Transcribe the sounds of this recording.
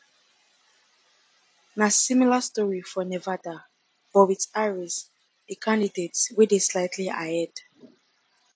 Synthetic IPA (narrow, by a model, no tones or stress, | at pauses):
nasĩmilastɔɹifɔnɛvada | b̥ɔwitaɹis | ekʰãndidetswideslaɪtʰliaɛd̥